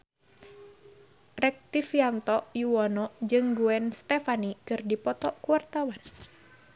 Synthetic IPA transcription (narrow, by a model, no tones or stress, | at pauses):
rɛk̚t̪ifiant̪ɔʔjuwɔnɔd͡ʒɨŋɡuɛnst̪ɛfanikɨrdipɔt̪ɔkuwart̪awan